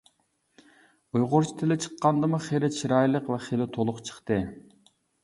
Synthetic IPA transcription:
ujʁʊɾt͡ʃʰi̥t̪ʰɪlɪt͡ʃʰə̥qːɑnd̪ɨmuχelɪt͡ʃʰiɾɑjlˠəqvɛχelɪt̪ʰolˠʊqt͡ʃʰə̥χt̪ɨ

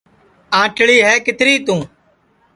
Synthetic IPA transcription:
ãːʈɭiːɦɛːkɪt̪ɾiːt̪ũː

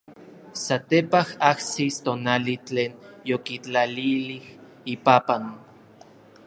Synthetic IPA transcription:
sat̪epahahsist̪onalit͡ɬeːnjokit͡ɬalilih | ipapan

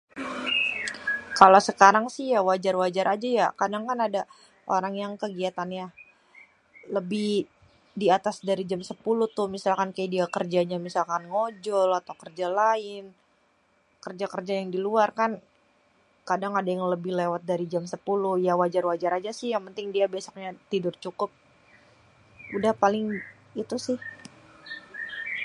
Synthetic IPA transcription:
kalawsəkaɾaŋsɪhjawad͡ʒarwad͡ʒaɾʔad͡ʒajakadaŋkanada | ʔo̰ɾaŋjaŋkəɡiat̪anja | ləbɪh | diat̪asdaɾid͡ʒamsəpulʊt̪ʊmisalkankajadiakərd͡ʒaɲamisalkanŋod͡ʒɔlat̪awkərd͡ʒalaɪn | kərd͡ʒakərd͡ʒajaŋdiluarkan | kadaŋadajaŋləbɪhlewat̪̚daɾid͡ʒamsəpulʊjawad͡ʒarwad͡ʒaɾad͡ʒasɪhjaŋpənt̪ɪŋdiabiasɔ̥k̚ɲat̪idʊrt͡ʃukʊp̚ | udahpalɪŋ | it̪usɪh

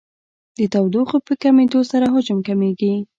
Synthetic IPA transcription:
d̪ət̪awd̪uxopəkamed̪osaɾaɦʊd͡ʒʊmkameɡi

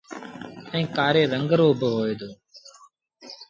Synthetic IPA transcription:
ĩːkaːɾeːɾəŋɡɾoːbʱəɦoːeːd̪oː

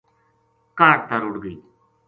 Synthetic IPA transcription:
kaːɽt̪əɾʊɽɡəiː

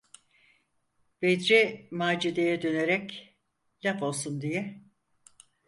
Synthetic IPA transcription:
b̥ed̪ɾɛmaːd͡ʒid̪ejɛd̪ø̞neɾɛc | lʲapo̞lˠsund̪ijɛ

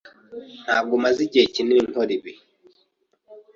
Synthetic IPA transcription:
n̥a̰ɡomaziɟeciniiŋoɾiβi

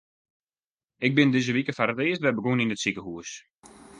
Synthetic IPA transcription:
ɪɡ̚bɪndɪzəʋikəfaɾəteəstʋɛbəɡoninətsikəɦuəs

